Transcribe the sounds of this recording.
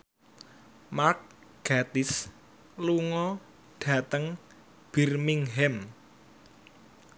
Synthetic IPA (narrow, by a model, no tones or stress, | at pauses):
mark̚ɡ̥a̤t̪ɪs | luŋɔ | ɖ̥a̤t̪əŋ | b̥i̤rmiŋɦɛm